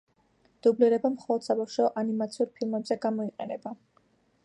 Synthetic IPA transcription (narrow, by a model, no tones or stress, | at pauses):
d̪̥ubliɾɛbamχɔlˠɔd̪̥sabafʃaɔʔanimat̪sʰiuɾpʰilˠmɛbzɛɡamɔiqʼɛnɛba